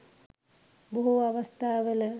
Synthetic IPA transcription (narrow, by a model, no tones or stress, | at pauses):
boɦuaʋast̪aːʋələ